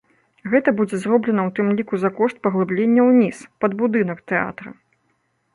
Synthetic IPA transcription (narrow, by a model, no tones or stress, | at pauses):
ɣɛt̪ɐbud͡zʲɛzrɔblʲɛnɐwt̪ɨmlʲikuzakɔʂt̪̚pɐɣlˠɨblʲenʲːɐwnʲispɐd̪bud̪ɨnɐkt̪ɛa̰t̪ɾɐ̰